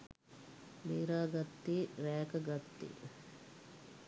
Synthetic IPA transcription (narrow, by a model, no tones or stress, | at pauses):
miːɾaːɡat̪ːiːɾæːkəɡat̪ːḭː